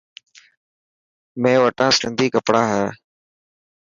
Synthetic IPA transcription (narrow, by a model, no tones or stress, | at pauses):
mẽːʋəʈãːsɪnd̪ʱiːkəpɽãːɦɛː